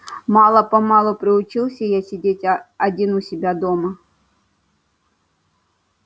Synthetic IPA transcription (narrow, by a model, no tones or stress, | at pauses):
mɑlˠəpɐmɑlˠʊpɾʲɪʊt͡ɕilˠsʲəjasʲɪdʲetʲɐdʲinʊsʲɪbʲad̪ɔmɐ